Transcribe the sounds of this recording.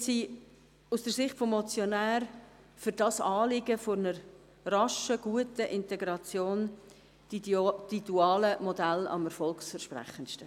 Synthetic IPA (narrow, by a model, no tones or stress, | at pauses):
siː | usd̥əɾsɪχtfɔmːɔt͡sjɔnæːr | fyɾdɑsɑːlɪɡəfonəɾ | rɑʃəɡ̥uətəʔɪnteɡɾɑt͡sjoːn | ituɑːləmodælɑ̰mɛɾfɔlksfəʃpræ̰χənʃtə